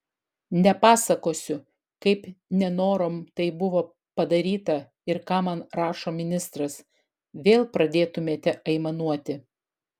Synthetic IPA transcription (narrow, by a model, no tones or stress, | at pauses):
nʲɛpɑːsɐkoːsʲʊ | kɐɪpnʲɛnoːɾoːmt̪ɐɪbʊʋoː | pɐd̪ɐɾʲiːt̪ɐ | ɪɾkɑːmɐnɾɑːʃoːmʲɪnʲɪst̪ɾɐs | ʋʲeːlˠpɾɐd̪ʲeːt̪ʊmʲeːt̪ʲɛʔɐɪmɐnuɔt̪ʲɪ